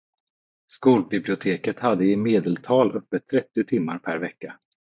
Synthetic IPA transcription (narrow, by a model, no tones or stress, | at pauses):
skuːlbɪblɪʊt̪ʰeːkət̪had̪ːəɪmeːd̪əlt̪ʰɑːlʔœpːət̪ʰːɾɛt̪ːɪʊt̪ʰɪmːaɾpʰæɾvɛkːa